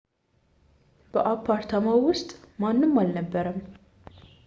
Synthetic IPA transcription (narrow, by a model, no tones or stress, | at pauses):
b̥əʔapʰːaɾt̪ʰamawwʊst̪ʼmanːɨmːalnəbːəɾəm